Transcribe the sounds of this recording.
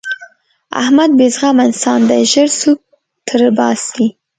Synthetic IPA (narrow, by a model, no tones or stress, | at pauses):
a̰hmad̪̚bezɣɑmansɑnd̪əʒəɾsuk̚ | t̪ʰəɾbɑsd̪i